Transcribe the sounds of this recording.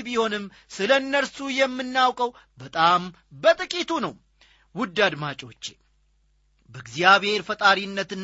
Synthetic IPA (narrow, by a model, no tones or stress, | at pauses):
biho̞nɨm | sɨləɨnːəɾsujɛmːɨnːawkʼəw | bət̪ʼam | bət̪ʼɨkʼit̪ʰunəw | wʊd̪ːad̪mat͡ʃʼo̞t͡ʃːe | bəɨɡzijaβhe̞ɾfət̪ʼaɾinːət̪ɨnː